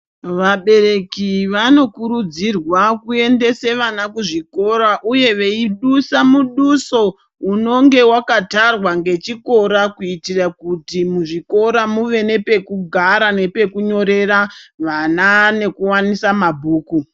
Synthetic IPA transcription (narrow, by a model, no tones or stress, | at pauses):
ʋaɓe̞ɾe̞kiʋano̞kuɾud͡zirwakue̞nde̞se̞ʋanakuʐiko̞ɾaʔuje̞ʋe̞iɗusamuɗuso̞ | uno̞ŋɡe̞wakatarwaŋɡe̞t͡ʃiko̞ɾakuitirakutimuʐiko̞ɾamuʋe̞ne̞pe̞kuɡʱaɾane̞pe̞kuɲo̞ɾe̞ɾaʋanane̞kuwanisamabʱuːku